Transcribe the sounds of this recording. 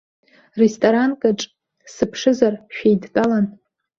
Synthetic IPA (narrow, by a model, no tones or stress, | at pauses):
restʼoɾankʼaʈ͡ʂʼ | sɨpʰʂɨzarʃᶣejdtʼalan